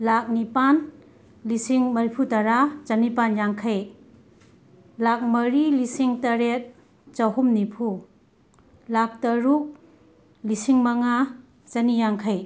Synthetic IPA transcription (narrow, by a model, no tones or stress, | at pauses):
lak̚nipan | lisiŋmɐɾipʰutaɾad͡ʒanipanjaŋkʰaj | lak̚mɐɾilisiŋtɐɾet̚ | t͡ʃawɦumnipʰu | lak̚tɐɾuk̚ | lisiŋmɐŋa | zanijaŋkʰaj